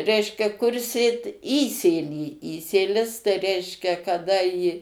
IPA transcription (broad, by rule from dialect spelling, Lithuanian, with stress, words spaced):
ˈrʲɛɪʃʲkʲɛ kʊr ˈsʲeːt ˈiːsʲeːlʲiː ˈiːsʲeːlʲɪs tɐɪ ˈrʲɛɪʃʲkʲɛ kɐˈdɐ iː